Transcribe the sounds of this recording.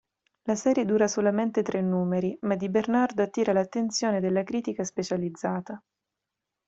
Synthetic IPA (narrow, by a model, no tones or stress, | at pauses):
lasɛːɾjed̪uːɾasolament̪et̪ɾenːuːmeɾimad̪ibernard̪oat̪ːiːɾalat̪ːent̪sjoːned̪elːakɾiːt̪ikaspet͡ʃalid̪zːaːt̪a